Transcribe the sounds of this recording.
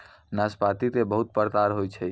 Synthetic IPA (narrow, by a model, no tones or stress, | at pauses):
naspat̪it̪ebəɦut̪̚pəɾt̪aɾɦojt͡ʃʰɛ